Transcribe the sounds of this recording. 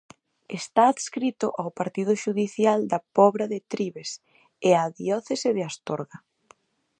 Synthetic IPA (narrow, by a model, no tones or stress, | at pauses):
est̪aːðskɾit̪ʊʔawpaɾt̪iðʊʃuðiθjald̪ɐpɔβɾaðɪt̪ɾiβes | eaðiɔθeseðɪast̪oɾɣa